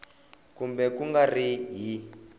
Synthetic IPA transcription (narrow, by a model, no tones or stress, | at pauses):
kumbɛkuŋɡariɦi